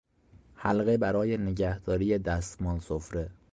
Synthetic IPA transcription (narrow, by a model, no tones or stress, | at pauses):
hælɣebæɾɒːjeneɟæhd̪̥ɒːɾiːjed̪æst̪mɒːlsofɾe